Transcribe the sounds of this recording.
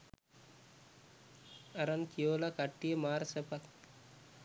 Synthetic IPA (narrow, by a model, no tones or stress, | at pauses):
ɐɾɐnkijoːlakɐʈːijemaːɾsepɐk